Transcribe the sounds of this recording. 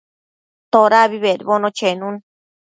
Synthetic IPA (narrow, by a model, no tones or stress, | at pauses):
t̪oɾaβiβeɾβonõt͡ʃenũn